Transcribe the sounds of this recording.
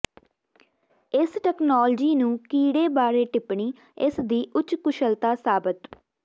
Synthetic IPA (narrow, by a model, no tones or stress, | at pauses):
ɪsʈɛːknoːld͡ʒiːnũːkiːɽeːbaːɾeːʈɪpɳiː | ɪsd̪iːʔʊt͡ʃkʊʃəlt̪aːsaːbət̪